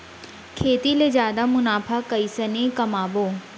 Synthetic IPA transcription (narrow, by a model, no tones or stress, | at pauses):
kʰeːt̪ilezjaːd̪amʊnaːfakɐisɐnẽkɐmaːboː